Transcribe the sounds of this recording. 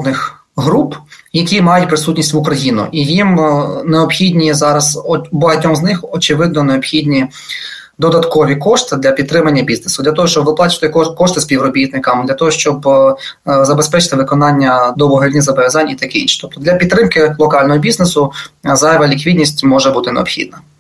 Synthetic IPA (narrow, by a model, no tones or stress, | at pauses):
d̪nɪx | ɦɾupjɐkʲimɑjʊt̚ʲpɾɪsutʲnʲisʲtʲʋʊkɾɐjinʊ̰ʔijimneɔpxʲidʲnʲizɑɾɐzbɔɦɐtʲnʲɔmznɪxɔt͡ʃɪʋɪd̪nɔneɔpxʲid̪ʲnʲi | d̪ɔd̪ɐt̪kɔʋʲikɔʂt̪ɪd̪lʲɐpʲid̪t̪ːɾɪmɐnʲːɐbʲiznesʊd̪lʲɐt̪ɔɦɔʃt͡ʃɔbʋɪplˠɑt͡ʃɪ̥t̪ɪkɔʃt̪ɪspʲiwrɔbʲit̪nɪkɐmd̪lʲɐt̪ɔɦɔʃt͡ʃɔb | zɐbespɛt͡ʃɪ̥t̪ɪʋɪkɔnɑnʲːɐd̪ɔbɔɦɾʲidʲnʲizɐbɔʋʲɐzɑnʲit̪ɐkɪḭnʃi̥t̪ɔp̚t̪ɔd̪lʲɐpʲid̪t̪ːɾɪmkɪlˠɔkɑlʲnɔɦɔbʲiznesʊzɑɛʋɐlʲikʋʲidʲnʲisʲtʲmɔʒɛbut̪ɪneɔpxʲḭd̪̚nɐ